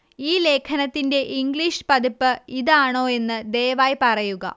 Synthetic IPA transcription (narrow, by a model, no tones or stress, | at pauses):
iːle̞ːkʰɐnɐt̪ːinde̞ʔiŋɡɭiːʂɨ̥pɐd̪ipːɨiðaːɳo̞ːe̞nːɨd̪ejɐʋaːjpɐrɐjuɣɐ̰